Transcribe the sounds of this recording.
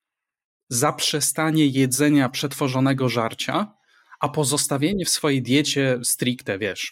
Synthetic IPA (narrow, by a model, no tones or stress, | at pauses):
zapʂɛst̪aɲɛjɛd̪zɛɲapʂɛt̪fɔʐɔnɛɡɔʐaɾt͡ɕa | ʔapɔzɔst̪avʲjeɲɛfsfɔjɛd̪ʲjɛt͡ɕɛst̪ɾʲikt̪ɛvʲjɛʂ